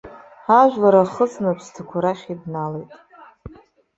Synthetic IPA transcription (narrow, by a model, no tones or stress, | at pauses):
aʒʷᶣlaɾaχət͡sʼnapʰstʰakʷʰaɾaχʲidnalejtʼ